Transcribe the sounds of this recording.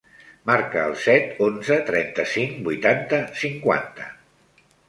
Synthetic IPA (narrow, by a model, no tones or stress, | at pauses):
maɾkəːlˠsɛt̪onzət̪ɾɛ̰nt̪əsiŋbujt̪ant̪əsiŋkwa̰nt̪ə